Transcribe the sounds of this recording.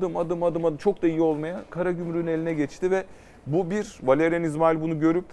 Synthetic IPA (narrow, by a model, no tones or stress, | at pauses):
d̪ɯmad̪ɯmad̪ɯmad̪ɯmt͡ʃʰo̞k̚d̪aijio̞lˠmajakʰaɾaɟymɾyne̞lʲinɛɟɛt͡ʃt̪ʰivɛ | bubiɾvalʲeɾɛnizmailʲbunuɟø̞ɾyp̚